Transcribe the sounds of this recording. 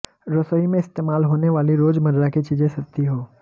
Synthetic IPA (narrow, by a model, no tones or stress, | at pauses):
ɾosimẽɪst̪eːmaːlɦoːneʋaːliɾoːd͡ʒmɐɾɾakit͡ʃiːd͡ʒẽsɐkt̪iɦoː